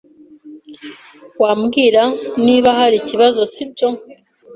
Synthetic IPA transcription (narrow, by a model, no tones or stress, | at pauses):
waːmɡiːɾaniːβaɦaɾiciβazo̞sib̚ɟo̞